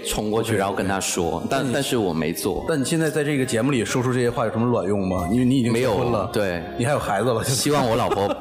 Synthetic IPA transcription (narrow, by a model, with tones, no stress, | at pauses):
t͡sʰʊ˧˥ŋkwɔ˥˧t͡ɕʰy˥˩a˧˥xkə˥nt̪ʰa˥ʂwɔ̰˥t̪a˥˧nt̪a˥˧nʂɻ̩˥˩wɔ˨˩mḛ˧˥ɪt͡swɔ̰˥˩t̪ni˨˩ɕjɛ˥˧nt͡sa˥˧ɪt͡sa˥˧ɪʈ͡ʂɤ˥˩ɡə˩t͡ɕjɛ˧˥mu˥˩li˨˩ʂwɔ˥ʈ͡ʂʰu˥ʈ͡ʂɤ˥˧˩ɕjɛ˥wa˥˩jʂm˥lwa̰˨˩njʊ˥˩ŋmɐ˩ni˧˥ni˥i˨˩t͡ɕi˥me˧˥ɪjo˨˩ʊxə˥nlə˨t̪we˥˩ɪi˨˩xa˧˥jxa˧˥ɪd͡zə˧lə˨t͡ɕɕi˥wɑ˥˩ŋwɔ˧˥lɑ˨˩ʊpʰɔ˧˥